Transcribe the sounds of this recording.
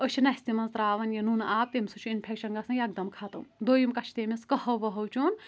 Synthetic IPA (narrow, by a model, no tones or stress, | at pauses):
əʃʰinɐsʲt̪imɐnzt̪ɾaːʋɐnjɐnunaːp̚t̪emsut͡ʃʰuinpʰekʃɐnɡɐsɐ̃jɐɡ̚d̪ɐmkʰat̪ɐmd̪oːjimkɐt͡ʃʰt̪emʲeskɐhɐʋɐɦɐwt͡ʃʰun